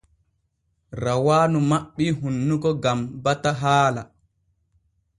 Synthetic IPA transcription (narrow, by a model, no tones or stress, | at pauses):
ɾawaːnumaɓːiɦunːukɔɡambataɦaːla̰